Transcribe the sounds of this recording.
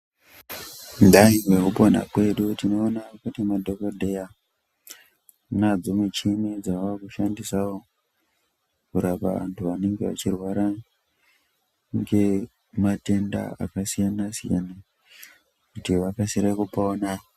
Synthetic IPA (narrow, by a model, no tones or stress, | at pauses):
ndaiwe̞kupona̰kwe̞ɗutino̞ːnakutimadʱo̞ko̞dʱe̞ja | nad͡zomut͡ʃimid͡zaʋakuʃandisawo̞ | kuɾapa̰ʋa̰ntʰuʋane̞ŋɡe̞ʋa̰t͡ʃirwaɾa | ŋɡe̞ | mate̞nda̰a̰kasijanasija̰na | kutiʋakasiɾekupona